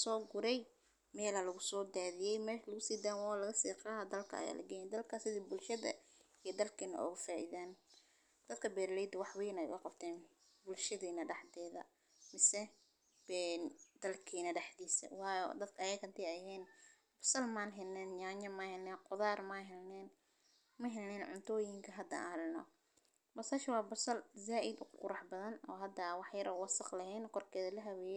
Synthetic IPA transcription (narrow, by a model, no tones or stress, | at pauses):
sɔːɡʊɾɛj | mɛːlɐlɐɣʊsɔːd̪aːðɪjɛjmɛːʃlɐɣʊsiːd̪aːwalɐɣɐsiːqɑːɦɐd̪ɐlkʰɐɐ̰ja̰ːlʔɐ̰ɡɛːjɛnd̪ɐlkʰasɪðiːbʊlʃɐðɐ̰ | ijɔd̪ɐlkʰiːnɐ̰ʔʊ̰ɣʊfaːʔḭðaːn | d̪̥ɐd̪̚kʰɐbɛːɾlɛːjd̪ɐwɑħwiːnɛ̰jkʊqɑbt̪ʰɛːn | bʊlʃɐðiːnɐɖɑħt̪ɛːðɐ̰ | mɪsɛ | bɛnd̪̥ɐlkʰiːnɐɖɛħd̪iːsɐ̰wɑːjɔ̰d̪ɐd̪kʰɐɐjɛkʰɐnt̪ʰɛɐjɦɛːn | b̥ɐsɐlmaːnɦɛlnɛːnɲaːɲɐmɐːhɛlnɛːqʊðaːrmɐːnɦɛlnɛːn | mɐɦɛlnɛːnʕʊnt̪ʰɔːjɪŋkʰɐɦɐd̪ɐa̰ːhlɪnɔ̰ | bɐsɐːʃwɑːbɐsɐlzaːʔɪd̪ʊqqʊɾɑħbɐðɐnɔ̰ːɦɐd̪ɐwɑħjɐɾʔɐwɑsɑqlɐhɛːnkʰɔrkʰɛːðɐlɐɦɐwɛːjɛ